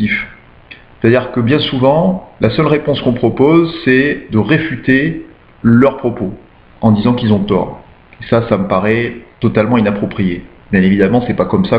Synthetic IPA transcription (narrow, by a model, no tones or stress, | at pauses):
if | se̥t̪ad̪iʁkəbjɛ̃suvɑ̃lʔasœlʁepɔ̃skɔ̃pχɔpozsɛd̪əʁefyt̪e | lœʁpχɔpo | ɑ̃d̪izɑ̃kilzɔ̃t̪ɔ̰ːʁ | esasaməpaʁɛt̪ɔt̪almɑ̃inapχɔpχije | bjɛ̃nevid̪amɑ̃sɛpakɔmsa